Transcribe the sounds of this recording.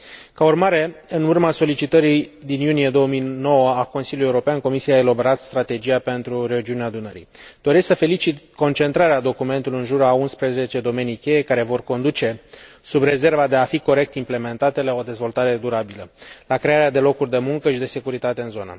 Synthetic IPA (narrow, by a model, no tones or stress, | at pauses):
kaurmaɾe̞ɨnurmaso̞lit͡ʃit̪əɾid̪injunije̞d̪o̞wəmijno̞wəako̞nsiljulje̞uɾo̞peanko̞misiaeloboɾat̪st̪ɾat̪e̞d͡ʒijape̞nt̪ɾuɾe̞ud͡ʒiuneaːd̪unəɾḭd̪̥o̞ɾe̞sksəfe̞lit͡ʃit̪ko̞nt͡ʃe̞nt̪ɾaɾead̪o̞kume̞nt̪uliɨnʒuɾaunspɾeze̞t͡ʃe̞d̪o̞me̞nijkʲe̞je̞kaɾe̞vo̞rko̞nd̪ut͡ʃe̞subre̞ze̞rvad̪e̞afiko̞ɾe̞k̚t̪imple̞me̞nt̪at̪elao̞d̪e̞zvo̞lt̪aɾe̞d̪uɾabiləlakɾe̞aɾead̪e̞lo̞kurʲd̪e̞muŋkəʃid̪e̞se̞kuɾit̪at̪e̞ɨnzo̞nə̰